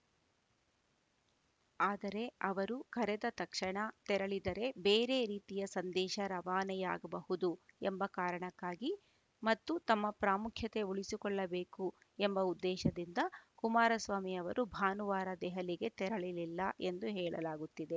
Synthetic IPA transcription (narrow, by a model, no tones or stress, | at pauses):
aːd̪ɐɾe̞ɐʋɐɾukɐɾɛd̪ɐt̪ɐkʂɐɳɐt̪ɛɾɐɭid̪ɐɾe̞beːɾe̞ːɾiːt̪ijɐsɐnd̪ɛːʃɐɾɐʋaːnɛja̰ːɡɐbɐhud̪uembɐkaːɾɐɳɐkːaːɡi | mɐt̪ːut̪ɐmːɐpɾaːmukʰjɐt̪e̞uɭisikɔɭːɐbeːku | embɐud̪ːɛːʃɐd̪ind̪ɐkumaːɾɐsʋaːmijɐʋɐɾubʱaːnuʋaːɾɐd̪ɛɦɐliɡe̞t̪ɛɾɐɭililːɐʔend̪uɦɛːɭɐ̰laːɡut̪ːid̪e̞